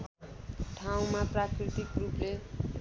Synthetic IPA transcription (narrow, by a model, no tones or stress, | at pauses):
ʈʰaw̃maprakɾit̪ikruple